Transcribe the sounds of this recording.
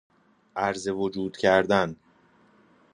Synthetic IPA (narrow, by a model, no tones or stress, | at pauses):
ʔæɾze̞vod͡ʒuːd̪̥cʰæɾd̪æn